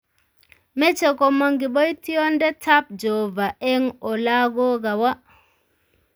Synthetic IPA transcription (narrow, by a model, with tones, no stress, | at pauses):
mɛ˦t͡ʃɛ˨kɔ˨mɔ˦ŋɡi˨ɓɔ˦i˦tʰi˦ɔ˦ndɛ˦tʰa˦p̚d͡ʒɔ˨va˨ʔɛ˦ŋɔ˨la˦ɡɔ˦ka˨wa˦